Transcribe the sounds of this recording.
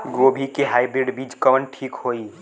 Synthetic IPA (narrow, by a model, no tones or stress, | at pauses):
ɡobʱikeɦajbɾeɖbid͡ʒkəʋənʈʰikɦoi